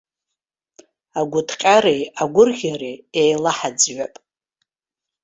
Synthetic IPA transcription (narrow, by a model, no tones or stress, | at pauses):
aɡʷʊtʰqʲʼaɾejaɡʷʊrɣʲareejlaħad͡zɥʷapʼ